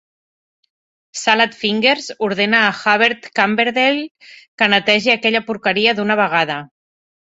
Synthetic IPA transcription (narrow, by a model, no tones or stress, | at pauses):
salat̪fiŋɡeɾzuɾð̞enaːxaβeɾt̪kambeɾðel | kənat̪ɛʒiakɛʎapuɾkəɾiəðunəβ̞əɣað̞ə